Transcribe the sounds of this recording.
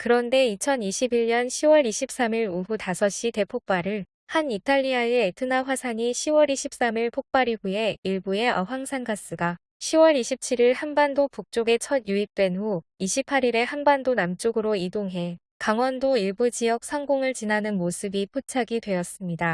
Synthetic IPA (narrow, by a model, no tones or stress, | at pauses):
kɯɾʌnde̞it͡ɕʰʌniɕʰibiɭɲʌnɕʰiwʌɾiɕʰip̚s͈amiɾuɸutasʰʌɕ͈ite̞pʰok̚p͈aɾɯɭ | hanitʰaʎːiaetʰɯnaɸwasʰaɲiɕʰiwʌɾiɕʰip̚s͈amiɭpʰok̚p͈aɾiɡue̞iɭbue̞ʔʌɦwaŋsʰanɡas͈ɯɡa | ɕʰiwʌɾiɕʰip̚t͡ɕʰiɾiɭhanbandopuk̚t͡ɕ͈oɡe̞t͡ɕʰʌdjuip̚t͈we̞nɸuiɕʰipʰaɾiɾe̞hanbandonamt͡ɕ͈oɡɯɾoidoŋɦe̞ | kaŋwʌndoiɭbud͡ʑijʌk̚sʰʌŋɡoŋɯɭt͡ɕinanɯnmosʰɯbipʰot͡ɕʰaɡidwe̞jʌs͈ɯmɲida